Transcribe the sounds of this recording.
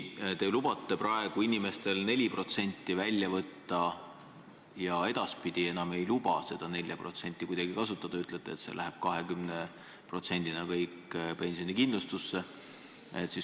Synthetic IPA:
t̪e̞lubɑt̪ˑːe̞prɑe̞ɡ̥uinime̞st̪e̞lne̞lʲipro̞t̪se̞nʲt̪ːˑivælʲjɑvɤt̪ːɑ | jɑe̞d̪̥ɑspid̪̥ie̞nɑme̞jlubɑ̰se̞d̪̥ɑnelʲjɑpro̞t̪se̞nʲt̪ʲːˑikujd̪̥ɑɡ̥ikɑsut̪ˑːɑd̪̥ɑyt̪ːˑlet̪ˑːe̞ːt̪se̞̰lʔæɦeb̥̚kɑɦekymne | pro̞t̪se̞nʲd̪̥inɑkɤjkːpe̞nʲsijo̞nikind̪lust̪usːe̞ | et̪ːˑsis

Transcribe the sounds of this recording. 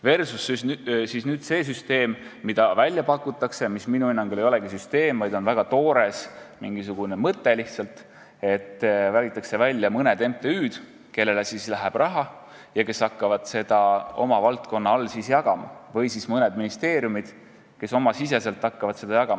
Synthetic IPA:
ve̞rsusːssiːsnyːd̪̥se̞ːs̬yst̪e̞ːmː | id̪̥ɑvælʲːjɑpɑkːˑut̪ːˑɑkse̞misminuinːɑŋɡule̞jo̞lɛɡ̥isyst̪e̞ːmvɑjd̪o̞nvæɡ̥ɑt̪o̞ːɾe̞smiŋɡ̥is̬uɡ̥unemɤt̪ːe̞liht̪sɑlt̪ˑ | e̞t̪ːvælʲɡit̪ːˑɑkse̞vælʲːjɑmɤned̪̥e̞mpt̪eyːd̪̥ | ke̞lːe̞lesislæɦæb̥rʔɑɦɑ | jɑke̞sɑkːɑvɑd̪̥se̞d̪ɑo̞̰mɑvɑlt̪ko̞nːɑolːsisjɑɡ̥ɑmɑ̰vɤjsismɤned̪minist̪e̞ːɾjumid̪̥ | ke̞so̞mɑsise̞se̞lt̪ːˑɑkːɑvɑd̪se̞d̪̥ɑjɑɡɑmɑ

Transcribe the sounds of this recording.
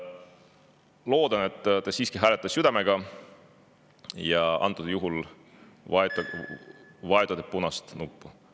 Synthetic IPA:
lo̞ːd̪ɑne̞t̪ːt̪ɑsiːskiɦæːlet̪ˑːɑsjyd̪ɑmeɡ̥ɑ | jɑɑ̰nt̪ːˑud̪̥ɑjuɦul | vɑet̪u | vɑed̪ud̪epunɑst̪nupːu

